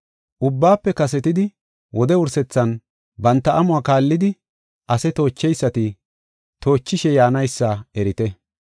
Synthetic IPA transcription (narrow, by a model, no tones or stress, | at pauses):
ʔʊbːaːpːɛkɐs̬ɛt̪ɪd̪ɪ | wʔɔd̪ɛʊɾsɛt͡sːɐn | bɐnt̪ːɐʔɐmʊaːkaːlːɪd̪ɪ | ʔɐsɛt̪o̞ːt͡ʃːɛjsːɐt̪ɪ | t̪o̞ːt͡ʃːɪʃɛjaːnɐjsːɐɛɾɪt̪ɛ